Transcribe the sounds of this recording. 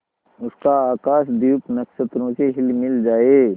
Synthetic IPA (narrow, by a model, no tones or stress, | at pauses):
ʊskaaːkaːʃd̪iːpnɐkʃət̪ɾõkeɦɪlmɪld͡ʒaːeː